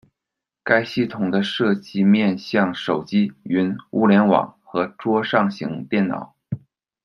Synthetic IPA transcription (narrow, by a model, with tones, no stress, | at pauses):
ka˥ɪɕi˥˩t̪ʰʊ˨˩ŋd̪ə˦ʂɤ˥˧˩t͡ɕi˥mjɛ˥˧nɕjɑ˥˩ŋʂo˨˩ʊt͡ɕi˥y˧˥nu˥˩ljɛ˧˥nwɑ̰˨˩ŋxɤ˧˥ʈ͡ʂwɔ˥ʂɑ˥˩ŋɕi˧˥ŋt̪jɛ˥˩nnɑ̰˨˩˦ʊ